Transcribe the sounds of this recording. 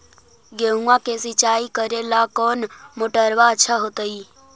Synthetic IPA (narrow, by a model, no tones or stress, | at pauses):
ɡeɦũãkesit͡ʃaːikəɾelakɔːnmoʈəɾʋaət͡ʃʰaɦot̪əi